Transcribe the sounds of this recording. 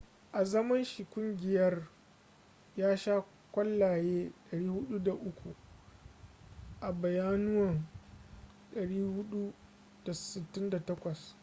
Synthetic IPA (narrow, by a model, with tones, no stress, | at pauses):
ʔa˨zɐ˦mɐ˦nʃi˨kʷʊ˦ŋɡʲɪ˨jɐ˦r | jaː˦ʃa˦ | kʷɐ˦lːaː˨jeː˦ɗɐ˨ɽiː˦hʊ˦ɗu˦da˨ʔʊ˦kʷu˨ | ʔa˨bɐ˨jaː˦nʊ˦wɐ˨n | ɗɐ˨ɽiː˦hʊ˦ɗu˦ | d̥a˨sɪ˨tːɪ˦nda˨tɐ˦kʷɐ˨s